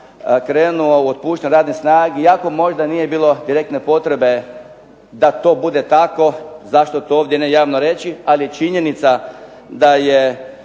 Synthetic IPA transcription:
kɾeːnuouot̪̚puːʃt̪anuɾaːd̪nesnaːɡeiako̞mo̞ʒd̪aniːje̞biːlˠo̞d̪iɾe̞kt̪ne̞po̞t̪ɾe̞be̞ | d̪at̪o̞ːbud̪e̞t̪ako̞zaʃt̪ot̪ooːʋd̪jenejaːʋnoɾe̞t͡ʃialijet͡ʃiɲe̞nit̪sa | d̪aje

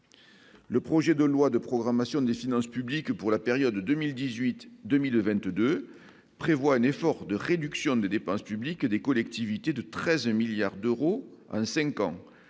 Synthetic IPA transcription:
ləpχɔʒed̪əlwad̪əpχɔɡʁamasjɔ̃d̪efinɑ̃spyblikpuʁlapeʁjɔd̪d̪ømild̪izɥit̪d̪ømilvɛ̃nt̪d̪ø | pχevwaɛnefɔʁd̪əʁed̪yksjɔ̃d̪ed̪epɑ̃spyblikd̪ekɔlɛk̚t̪ivit̪ed̪ət̪χɛzmiljaʁd̪øʁoɑ̰̃sɛ̃ŋkɑ̰̃

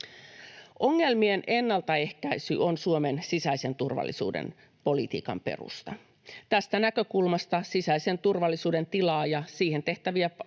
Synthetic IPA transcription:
ʔo̞ŋːe̞lmienʔe̞nːɑlt̪ɑe̞hkæisy̰ʔonsuome̞nsisæise̞nt̪urʋɑ̰lːḭsṵːdḛn | po̞lit̪ḭːkɑ̰mpe̞̰rṵst̪ɑ | t̪æst̪ænækø̞kulmɑst̪ɑsisæise̞nt̪urʋɑlːisuːde̞nt̪ilɑːjɑsiːhe̞nt̪e̞ht̪æʋiæ

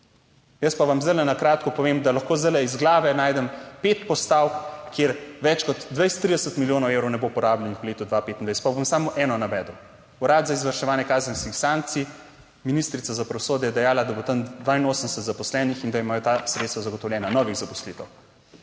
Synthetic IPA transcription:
jəspaʋamzd̪əlɛnakɾaːt̪kɔpɔʋeːmd̪alɐxkoːzd̪əlɛizɡlaːʋɛnaːjd̪ɛmpet̪pɔst̪awkkːjeɾʋɛt͡ʃkɔt̪ːʋɛjst̪ɾid̪ɛsət̪miljoːnɔwewɾɔwnɛbopɔɾaːblʲɛnixwleːt̪ud̪ʋapeːt̪inajst̪pabomsaːmoʔɛːnɔnabɛd̪əw | uɾaːd̪zaizʋəɾʃɛʋaːnjɛkaːzənskixsaŋk̚t̪si | minist̪ɾit̪sazapɾɐʋosoːd̪jɛjɛd̪ɛjaːlad̪abot̪ɐmd̪ʋaːinoːsənsət̪zapɔslɛnixind̪aimaːjɔt̪asɾet̪st̪ʋazɐɡɔt̪ɔwlʲjɛːnanɔʋiɣzapɔ̥slit̪ɛw

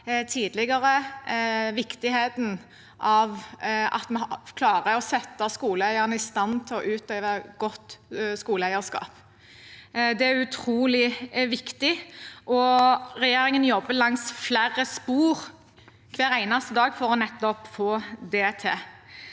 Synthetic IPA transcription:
t̪ʰiːd̪lɪɡɑʁə | ʋɪkt̪ɪheːt̪n̩ | ʔɑʋɑ̰t̪mɛkʰlɑːʁəɔsɛt̪ːɑskuːləæɪəʁnəɪst̪ɑnt̪ʰɪlɔʔʉːt̪eːʋəɡɔt̪ːskuːləæɪəskɑ̰ːp | d̪ɛæʉt̪ʰɾuːlɪʋɪkt̪ɪʔɔɾɛjeːɾɪŋənjɔbːəlɑŋsflæːɾəspuːɾ | kʰʋæːʁæɪnɑst̪əd̪ɑːɡfɔʁɔnɛt̪ːɔpfɔd̪ɛt̪ʰeː

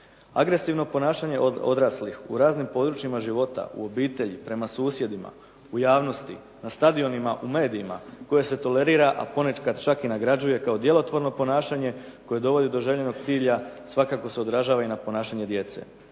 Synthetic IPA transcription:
aɡɾe̞siʋno̞po̞naːʃaɲe̞ʔoo̞d̪ɾaslixṵɾaːznimpo̞d̪ɾut͡ʃimaʒiʋo̞t̪a̰ṵo̞biːt̪e̞ʎipɾe̞masuːsje̞d̪ima̰ | ujaːʋno̞st̪ḭ | nast̪ad̪io̞nimaʔume̞ːd̪iːmako̞je̞se̞t̪o̞le̞ɾiːɾaʔa̰po̞ne̞kad̪t͡ʃakinaɡɾad͡ʑuje̞kao̞d̪je̞lo̞t̪ʋo̞ɾno̞po̞naːʃaɲe̞ko̞je̞d̪o̞ʋo̞d̪id̪o̞ʒeʎe̞no̞ɡ̚t̪siːʎasʋakako̞seo̞d̪ɾaʒaːʋainapo̞naːʃaɲe̞d̪je̞t̪se̞̰

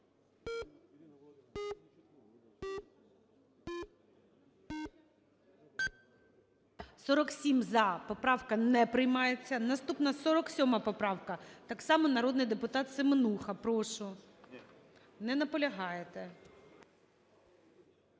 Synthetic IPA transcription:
sɔɾɔksʲimzɐpɔpɾɑwkɐnɛpɾɪjmɑjet͡sʲːɐnɐst̪upnɐsɔɾɔksʲɔmɐpɔpɾɑwkɐt̪ɑksɑmɔnɐɾɔd̪nɪjd̪epʊt̪ɑt̪sɪmenuxɐpɾɔʃʊ | nɛnɐpɔlʲɐɦɑjet̪e

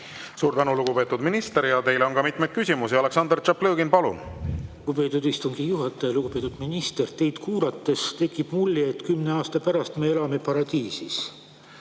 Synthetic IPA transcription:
suːɾt̪ænuluɡ̥upe̞ːt̪ːud̪̥minist̪eɾjɑt̪e̞jleo̞nkɑmit̪ˑmejd̪̥̚kysʲimusiɑle̞ksɑnd̪ert͡ʃɑpːløːɡinpɑlṵnluɡ̥upe̞ːt̪ːˑud̪ist̪uŋɡ̥ijuɦɑt̪ːˑɑjɑluɡ̥upe̞ːt̪ud̪̥minist̪e̞rt̪e̞jd̪̥kuːɾɑt̪ːe̞st̪e̞kːˑib̥mulʲːeet̪kymne̞ɑːst̪ɑpæɾɑst̪meelɑme̞pɑɾɑd̪iːsis

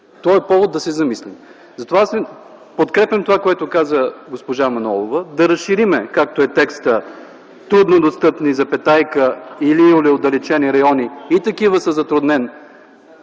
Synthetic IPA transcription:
t̪ɔɛpɔvod̪̚ːɐsɛzɐmislim | zɐt̪ovasɛ | pot̪kɾɛpʲɛmt̪ovakoɛt̪okazəɡospoʒamɐnɔlˠovəd̪ɐɾɐsʃiɾimɛkak̚t̪oɛt̪ɛkst̪ə | t̪ɾud̪nod̪ost̪ɤpnizɐpɛt̪ajkəilioliod̪ɐlɛt͡ʃɛniɾɐjɔniit̪ɐkivəsəzɐt̪ɾʊd̪nɛn

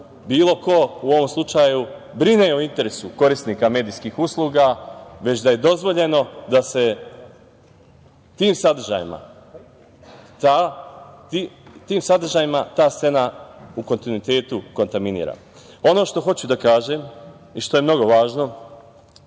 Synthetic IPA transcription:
biːlˠo̞ko̞uo̞ʋo̞mslˠut͡ʃaːju | bɾineoint̪e̞ɾesuko̞ɾist̪niːkame̞ːd̪iːskiːxuslˠuːɡaʋe̞t͡ɕd̪aje̞d̪o̞zʋo̞ʎe̞no̞d̪ase̞ | t̪iːmsad̪r̩ʒa̰ːjḭma̰ | t̪at̪it̪iːmsad̪r̩ʒaːjimat̪aːst̪se̞nauko̞nt̪inuit̪e̞ːt̪uko̞nt̪aminḭːɾa̰ | o̞no̞ːʃt̪o̞xo̞t͡ɕud̪akaːʒem | iʃt̪o̞jemno̞ɡo̞ʋaːʒno̞

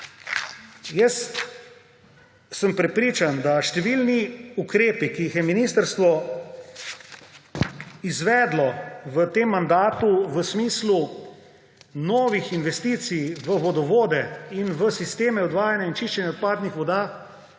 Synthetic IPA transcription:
jɛs | səmpɾɛpɾiːt͡ʃand̪aʃt̪ɛʋilniukɾeːpikiːxjɛminiːst̪əɾst̪ʋɔ | izʋɛːd̪lɔʋət̪eːmːand̪aːt̪uʋəsmiːslu | nɔːʋixinʋɛst̪iːt̪sijʋəʋɔd̪ɔʋoːd̪ɛinʋəsist̪eːmɛɔd̪ʋaːjanjaint͡ʃiʃt͡ʃɛnjɛɔt̪̚paːd̪nixʋɔd̪aː

